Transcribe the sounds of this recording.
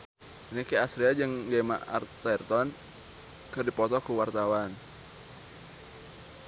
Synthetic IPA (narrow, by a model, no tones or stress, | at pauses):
nikiasɾiad͡ʒəŋɡema̰a̰rt̪ɛrt̪ɔn | kɨrdipɔt̪ɔkuwart̪awan